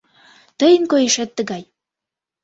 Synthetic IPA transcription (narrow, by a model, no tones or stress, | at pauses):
t̪əjə̆nkojeʃet̪ːə̆ɣɑj